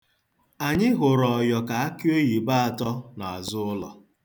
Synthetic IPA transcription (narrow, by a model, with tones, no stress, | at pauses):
a˨ɲɪ˦ɦʊ˨ɾɔ˨jɔ˨ka˨a˦ki˦o˦ji˨ba˦a˨tɔ˦na˨a˨zʊ˦ʊ˦lɔ̰˨